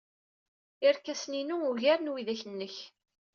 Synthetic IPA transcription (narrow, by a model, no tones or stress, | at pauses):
ɪɾkːæsninuuʝæɾnwiðæçənːəç